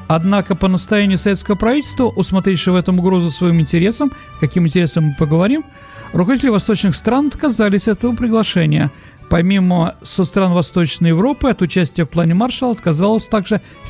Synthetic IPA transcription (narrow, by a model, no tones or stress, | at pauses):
ɐd̪nakəpənəst̪ɐjænʲɪjʊsɐve̞t̪skəvəpɾɐvitʲɪlʲst̪vəʔʊsmɐt̪ɾʲefʲʂɨvɛt̪əmʊɡɾo̞zʊsvɐimɪnʲtʲɪɾʲe̞səm | kɐkʲimɪnʲtʲɪɾʲe̞səmːɨpəɡəvɐɾʲim | ɾʊkɐvʲitʲɪlʲɪvɐst̪o̞t͡ɕnɨxst̪ɾanɐt̪kɐzalʲɪsʲɛt̪əvəpɾʲɪɡlˠɐʂɛnʲɪjə | pɐmʲiməsot̪st̪ɾanvɐst̪o̞t͡ɕnəjɪvɾo̞pɨɐt̪ʊt͡ɕæsʲtʲɪjəfplˠanʲɪmarʂəlˠɐt̪̚kɐzalˠəsʲt̪aɡʐɨ